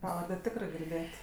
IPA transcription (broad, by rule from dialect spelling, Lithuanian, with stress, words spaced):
ˈpɑːʋɐrʲdʲɛ ˈtʲɪkrɜ ɡʲɪrʲˈdʲeːt